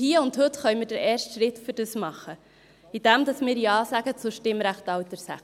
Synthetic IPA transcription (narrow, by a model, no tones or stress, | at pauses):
hiːəʊndhɵt̪χœʏmɪːdəɾɛːrʃtʃɾɪtfʏɾd̥əsmɑχːə | id̥̪æmd̪ɑsmɪːɾiɑːsæɡ̥ət͡sʊʃtɪmɾæχtɑwt̪əɾsæ̰